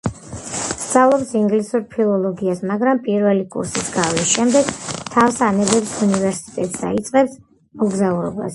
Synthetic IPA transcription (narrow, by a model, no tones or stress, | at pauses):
st̪z̥ʼalˠɔpsiŋɡlisuɾpʰilˠɔlˠɔɡiasmaɡɾampʼiɾvɛlikʼṵɾsisɡavlisʃɛmd̪ɛɡ̥t̪ʰavsanɛbɛbsunivɛɾsi̥t̪ʼɛt̪ʼsa̰it̪sʼqʼɛps | mɔɡzauɾɔba̰s